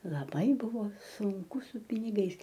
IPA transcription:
lˠɐˈbɐɪ ˈbʊʋoː sʊŋˈkʊ sʊ pʲɪnʲɪˈɡɐɪs

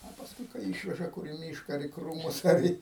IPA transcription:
oː pɐsˈkʊɪ kɐɪ ˈiːʃʲʋʲɛʒɐ kʊr ɪ ˈmʲiːʃkɐ ɐr iː ˈkruːmʊs ɐr ˈiː

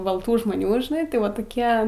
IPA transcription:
bɐlˠˈtuː ʒmoːˈnʲuː ʒʲɪˈnɐɪ tɐɪ ˈʋɐ toːˈkʲiɛ

